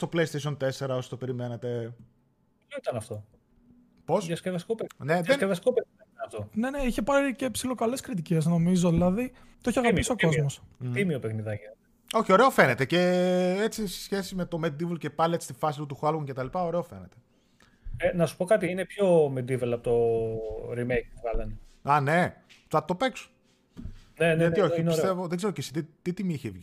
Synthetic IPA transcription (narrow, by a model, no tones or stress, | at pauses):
st̪opleist̪es̬io̞nt̪e̞se̞ɾɐo̞si̥t̪ope̞ɾime̞net̪e̞ | pçoit̪ɐnɐft̪o̞ | po̞sðɐskevɐskopene̞ðevɐskopeiɐit̪ɐnɐft̪one̞ne̞içe̞pɐɾicepsilo̞kɐleskɾit̪̬ice̞sno̞mizo̞ðilɐði | t̪oeçiɐɣɐpisio̞ko̞zmo̞st̪imiopexniðɐʝinet̪e | o̞çio̞ɾe̞ofe̞net̪e̞ce̞et͡sise̥sçe̞sime̞t̪o̞med̪ivlce̞pɐliet͡si̥st̪ifɐs̬it̪ut̪uxɐlɣuŋcet̪ɐlipɐo̞ɾe̞ofe̞̰net̪e | enɐsu̥po̞kɐt̪̬iinepçomed̪ivelɐpot̪o | ɾimejk̚puvɣɐlɐneɐne̞t̪ɐt̪o̞pe̞ksu̥ | nenɐt̪ioçiinisst̪evoðeɡzeɾocesi̥t̪it̪it̪imiiçevʝi